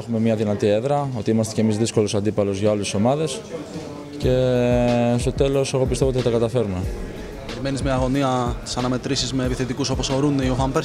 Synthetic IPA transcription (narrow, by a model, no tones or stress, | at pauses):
exume̞mɲɐðinɐt̪ie̞ðɾɐo̞t̪iimɐst̪ece̞mizðisko̞lo̞sɐnd̪ipɐlo̞zʝɐoleso̞mɐðe̞s | ce̞ | st̪o̞t̪e̞lo̞se̞ɣo̞pist̪e̞vt̪θɐt̪ɐkɐt̪ɐfe̞ɾume̞ | peɾime̞nizmɐːɣo̞niɐt̪i̥sɐnɐme̞t̪ɾisizmeːpiθe̞t̪ikuso̞poso̞ɾuneiofɐmpeɾ